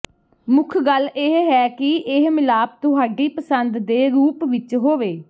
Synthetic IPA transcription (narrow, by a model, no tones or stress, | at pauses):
mʊkʰɡəleɦɦɛːkɪɪɦmɪlaːp̚t̪ʊɦaːɖiːpəsənd̪d̪eːɾuːpʋɪt͡ʃɦoːʋeː